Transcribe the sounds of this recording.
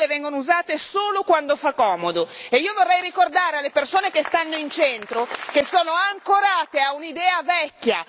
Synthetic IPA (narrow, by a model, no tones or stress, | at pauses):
levɛŋɡonouzaːt̪esoːlokwand̪ofakːɔːmod̪oeiːovorːɛjɾikord̪aːɾealːepersoːnekest̪anːoint͡ʃɛnt̪ɾokesoːnoaŋkoɾaːt̪eaunid̪ɛːavɛkːja̰